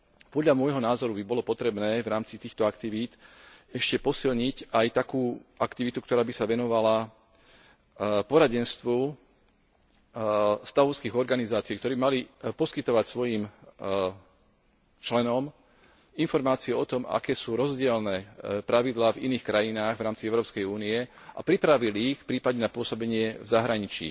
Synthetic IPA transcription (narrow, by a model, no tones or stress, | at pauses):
pɔd̪ʎamʊɔjɦɔnaːzɔɾubibɔlɔpɔt̪ɾɛbnɛːvɾaːmt͡sit̪iːxt̪ɔakt̪iʋiːt̪ɛʃcɛpɔsilɲicajt̪akuːʔakt̪iʋit̪ukt̪ɔɾaːbisaʋɛnɔʋala | pɔɾaɟɛnst̪ʋu | st̪aɦɔʊskiːɣɔɾɡanizaːt͡siːkt̪ɔɾɛːbimalipɔskit̪ɔʋacsʋɔjim | t͡ʃlɛnɔm | infɔɾmaːt͡siɛɔt̪ɔma̰kɛːsuːɾɔzɟɪɛlnɛːpɾaʋid̪laːvḭniːxkɾajinaːɣʋɾaːmt͡siɛʊɾɔːpskɛjuːniɛ | ʔa̰pɾipɾaʋiliːxfpɾiːpadɲɛnapʊɔsɔbɛɲɪɛvzaɦɾaɲit͡ʃḭː